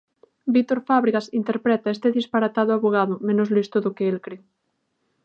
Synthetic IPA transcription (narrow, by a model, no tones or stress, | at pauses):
bit̪oɾfaβɾiɣasint̪eɾpɾɛt̪aest̪eðispaɾat̪aðoaβoɣ̞aðomẽnozlist̪oðokeelkɾe